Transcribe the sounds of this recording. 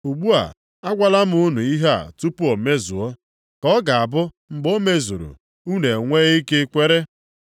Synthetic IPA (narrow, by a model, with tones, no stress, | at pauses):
u˨ɡ͡bu˦a̰˨ | a˦ɡʷa˦la˦m˦u˦nu˨i˦ɦa˦a̰˨tu˦pu˦o˨me˦zṵ˨ɔ˦ | kɔ˦ɡa˨a˨bʊ˦ | ŋ͡m̩˨ɡ͡bo˦me˦zṵ˨ɾṵ˨ | u˦ne˨ŋʷe˦i˦ke˦kʷe˦ɾe˦